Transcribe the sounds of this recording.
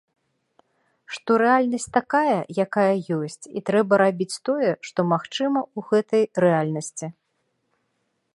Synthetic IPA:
ʂt̪ɔɾɛalʲnɐsʲt͡sʲt̪akajɐjakajɐjɔsʲt͡sʲḭt̪ɾɛbɐɾabʲit͡sʲt̪ɔjɛʂt̪ɔmaxt͡ʂɨmɐuɣɛt̪ɐjrɛalʲnɐsʲt͡sʲi

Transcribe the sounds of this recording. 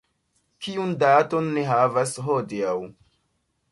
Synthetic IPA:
kiundato̞nːeɦavasɦodiaw

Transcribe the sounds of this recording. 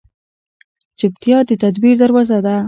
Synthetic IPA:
d͡ʒɪb̚t̪ijɑd̪ət̪ad̪biɾd̪əɾwɑzad̪a

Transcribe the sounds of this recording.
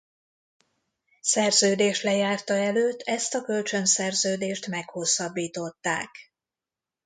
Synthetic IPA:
sɛrzøːd̪eːʃlɛjaːrt̪ɒɛløːt̪ːɛst̪ɒkø̞lt͡ʃø̞nsɛrzøːd̪eːʃt̪mɛkho̞sːɒbːiːt̪o̞t̪ːa̰ːk

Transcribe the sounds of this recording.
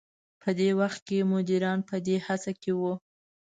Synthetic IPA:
pʰəd̪ewaxt̪̚kemʊd̪iɾɑnpəd̪ehat͡sakewu

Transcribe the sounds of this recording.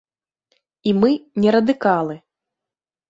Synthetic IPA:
imɨnʲɛɾɐd̪ɨkalˠɨ

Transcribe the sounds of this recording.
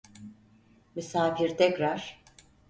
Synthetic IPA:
mysaːfiɾt̪ʰɛcɾaɾ̥

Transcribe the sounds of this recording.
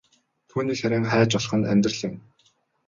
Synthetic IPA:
t̪ʰuːniːxxæɾʲiːŋχæːt͡ɕɔɮχə̆nt̪æ̰mʲt̪rə̆ɮĭŋ

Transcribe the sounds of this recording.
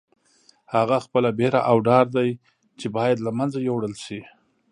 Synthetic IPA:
haɣaxpəlabeɾa̰ʔawɖɑɾd̪aj | t͡ʃebɑjad̪lamanzajowɽəlʃi

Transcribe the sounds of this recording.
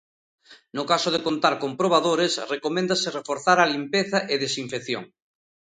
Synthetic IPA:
nokasoðekont̪aɾkompɾoβ̞aðoɾesrekomẽnd̪aserefoɾθaɾalimpeθaʔeðesiɱfeθjo̰ŋ

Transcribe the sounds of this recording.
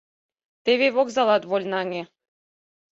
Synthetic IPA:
t̪eβeβokzɑlˠɑt̪βolʲnɑŋʲe

